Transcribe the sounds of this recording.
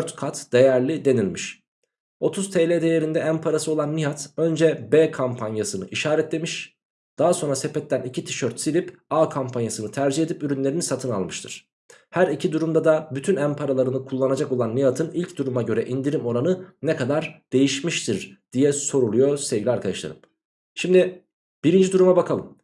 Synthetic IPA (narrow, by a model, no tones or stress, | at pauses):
øɾt̪kʰat̪d̪̥e̞jæɾlʲid̪e̞nilʲmiʃ | o̞t̪ʰuzt̪ʰeːlʲed̪e̞jeɾind̪ɛæmpʰaɾasɯo̞lˠanːijat̪ø̞nd͡ʒɛbɛːkʰampʰanjasɯnɯʔiʃaːɾɛt̪lʲe̞miʃ | d̪̥aɦaso̞nɾasepɛt̪ːænicʰit̪ʰi̥ʃø̞ɾt̪silʲipaːkʰampʰanjasɯnɯt̪ʰæɾd͡ʒiɦe̞d̪ipyɾynlʲe̞ɾinisat̪ʰɯna̰lˠmɯʃt̪ʰɯɾ̥ | hæɾicʰid̪uɾumd̪ad̪abyt̪ʰynæmpʰaɾalˠaɾɯnɯkʰulˠːanad͡ʒako̞lˠanːijat̪ʰɯnilʲcd̪uɾumaɟø̞ɾɛʔind̪iɾimo̞ɾanɯnɛkʰad̪aɾd̪̥e̞jiʃmiʃt̪ʰiɾd̪̥ijɛso̞ɾulˠujo̞sevɟilʲiaɾkʰad̪a̰ʃlˠa̰ɾɯm | ʃimd̪i | b̥iɾind͡ʒid̪uɾumabakʰalˠɯm